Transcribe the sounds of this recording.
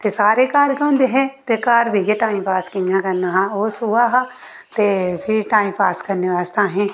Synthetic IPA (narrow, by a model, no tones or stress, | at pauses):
t̪esaːɾekaːɾɡɐ̃ːnd̪eɦɛ̃t̪ekaːɾbʱijeʈaːĩmpaːskinãkɐɾnaɦãoːsuaːɦa | t̪epʰɪɾʈaːimpaːskɐɾniʋaːst̪aɦɛ̃